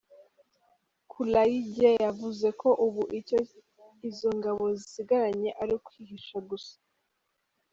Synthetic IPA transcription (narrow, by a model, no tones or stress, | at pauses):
kʰulajiɟejavuze̞kʰo̞ʔuβuʔico | izo̞ŋɡaβo̞zisiɡaɾaɲe̞ʔaɾikwihiʃaɡusḁ